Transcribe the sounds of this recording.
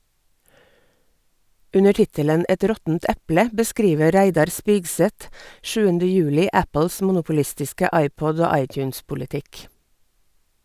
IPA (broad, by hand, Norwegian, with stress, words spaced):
ˈʉnə ˈʈɪtələn ˈɛt ˈɾɔtn̩t ˈɛplə bəˈskɾiːʋə ˈɾæɪdɑɾ ˈspiːɡˌsɛt ˈʃʉːəndə ˈjʉːlɪ ˈæpəls ˈmʊnʊpʊˌlɪstɪskə ˈɑɪˌpɔd ˈoː ˈɑɪˌtjʉːnspʊlɪˌtɪk